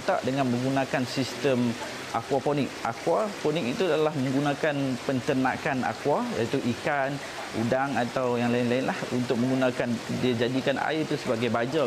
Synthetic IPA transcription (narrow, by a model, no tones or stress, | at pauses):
t̪aʔdəŋãnmə̃ŋɡunãkansist̪əm | ʔa̰kwapɔnik̚akwapɔnik̚it̪ulalahmə̃ŋɡunãkanpənt̪ənã̰kana̰kwajait̪uʔikan | ṵdaŋat̪awjaŋlaɪnlaɪnlahunt̪ʊk̚mə̃ŋɡunãkandiad͡ʒadikana̰ɪrt̪usəbaɡajbad͡ʒa